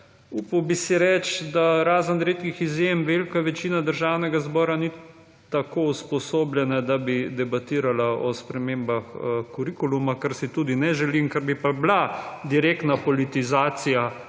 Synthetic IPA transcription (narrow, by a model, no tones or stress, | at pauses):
upawbisiɾɛt͡ʃd̪aɾaːzənɾeːt̪kixizjemʋelkaʋɛt͡ʃiːnad̪əɾʒawnɛɡazbɔːɾani | t̪akouspɔsoːbljɛnɛd̪abid̪ɛbat̪iːɾalaʔɔspɾɛmembaxkuɾikulumakaɾsit̪uːd̪inɛʒɛliŋkaɾbipablad̪iɾekt̪napɔlit̪izaːt̪sija